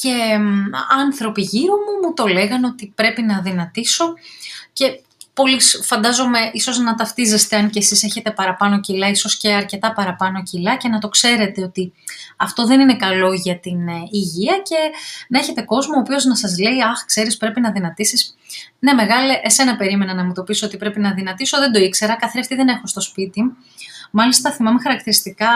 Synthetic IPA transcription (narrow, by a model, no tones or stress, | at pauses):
ce̞ | ɐnθɾo̞piʝiɾomumut̪o̞le̞ɣɐno̞t̪ipɾe̞pinɐðinɐt̪iso̞ce̞ | po̞lisfɐnd̪ɐzo̞me̞ʔiso̞znɐt̪ɐft̪ize̞st̪e̞ɐnce̞sise̞çe̞t̪e̞pɐɾɐpɐno̞cilɐiso̞sce̞ɐɾce̞t̪ɐpɐɾɐpɐno̞cilɐce̞nɐt̪o̞kse̞ɾe̞t̪e̞o̞t̪iɐft̪o̞ðe̞nine̞kɐlo̞ʝɐt̪iniʝiɐce̞nɐeçe̞t̪e̞ko̞zmooːpio̞znɐsɐzle̞iɐxkse̞ɾispɾe̞pinɐðinɐt̪isis | ne̞me̞ɣɐleʔese̞nɐpe̞ɾime̞nɐnɐmut̪o̞piso̞o̞t̪ipɾe̞pinɐðinɐt̪iso̞ðe̞nd̪o̞ikse̞ɾɐkɐθɾiɐft̪iðe̞ne̞xost̪o̞spit̪i | mɐlist̪ɐθimɐmexɐɾɐkt̪iɾist̪ikɐ